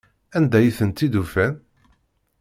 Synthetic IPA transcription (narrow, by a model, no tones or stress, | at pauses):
ænd̪æjiθənt̪ːid̪ufæn